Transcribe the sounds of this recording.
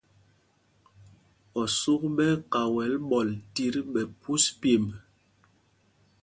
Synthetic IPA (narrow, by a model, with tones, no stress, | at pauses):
ɔ˨su˦k̚ɓɛ˦ka˨wɛ˨˦lɓɔ˨lti˦ɾɓɛ˨pu˦spe˨m